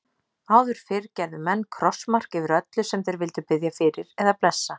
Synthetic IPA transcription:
aːwðʏɾ̥fɪɾcɛɾðʏmɛnːkʰɾɔsmar̥kɛvɪɾœt̪lʏsɛmθejɾvɪl̪t̪ʏpɪðjafɪːɾɪɾɛðapl̪ɛsːa

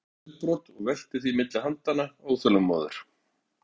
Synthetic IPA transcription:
pɾɔt̪ɔɣvɛl̥t̪ɪθimɪt̪lɪhant̪anaoːɣθœlʏmmːɔ̰ːðʏ̰ɾ̥

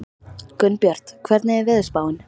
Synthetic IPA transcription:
kœnːpjœɾ̥t̪kʰvɛɾt̪nɛɛvɛðspaːwɪn

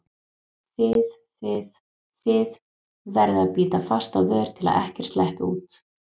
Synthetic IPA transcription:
θɪð | θɪð | θɪð | vɛɾðaðpiːt̪afast̪awðœːɾ̥t̪ʰɪla̰ɛ̰hcɛɾ̥st̪lɛhpɪuːt̪

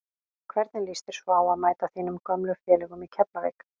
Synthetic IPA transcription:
kʰvɛɾt̪nɪnlist̪ɪɾ̥svɔaːwaðmaːjt̪aθiːnʏmkœmlʏfjɛːlɛɣʏmicʰɛpnavɛ̰ːk

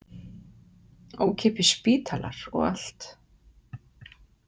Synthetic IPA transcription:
oːwcʰɛpɪspiːt̪ʰalʔa̰ɾ̥ɔ̰ɣa̰l̥t̪

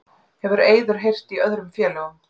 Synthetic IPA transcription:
hɛvʏɾeːjðʏɾ̥ɦejr̥t̪iœðɾʏmfjɛːlɛɣʏm

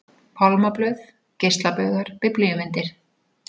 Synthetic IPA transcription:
pʰalmaplœɥθ | cest̪lapœɣaɾ̥pɪplʏjʏmɪnt̪ɪɾ̥

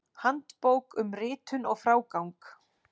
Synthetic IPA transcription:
hant̪powkʏmrɪːt̪ʏnɔɣfɾaːwkawŋk

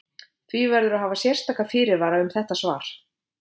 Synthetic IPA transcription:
θvivɛɾðʏɾaɦaːvasjɛr̥st̪aːkafɪːɾɪɾvaːɾaʏmθɛht̪asvaːɾ̥

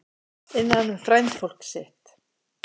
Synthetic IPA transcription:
ɪnːaanːʏmfɾajnt̪fowl̥ksɪht̪

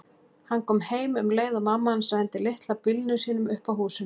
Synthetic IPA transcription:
hanːkʰɔːmheːjmʏmleːjðawmamːahansajɛnt̪ɪlɪht̪lawpɪlnʏsiːnʏmʏhpawɦuːsʏm

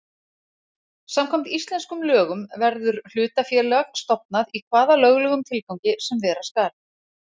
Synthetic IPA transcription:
samkʰɔm̥t̪ist̪lɛnskʏmlœːɣʏmvɛɾðʏɾ̥l̥ʏːt̪afjɛɾlɛaxst̪ɔp̚naðikʰvaːðalœːɣlœɣʏmt̪ʰɪlkawɲcɪsɛmvɛːɾaskaːɾ

